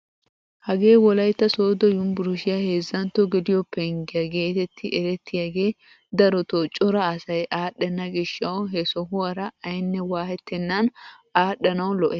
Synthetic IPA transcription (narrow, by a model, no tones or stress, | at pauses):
hɐɡe̞ːwɔlɐjt̪ːɐsoːd̪ɔjʊmbʊɾʊʃɪjahe̞ːzːɐnt̪ːɔɡɛd̪ɪjɔpːɛŋɡɪjɐɡe̞ːt̪ɛt̪ʰːɪʔɛɾɛt̪ʰːɪjaɡe̞ː | d̪ɐɾɔt̪ot͡ʃʼʊɾɐːsɐjʔaːɗːɛnːɐɡɪʃːɐwɦɛsɔɦʊɐɾɐɐjnːɛwaːhɛt̪ʰːɛnːɐn | aːɗɐnɐwlɔʔɛ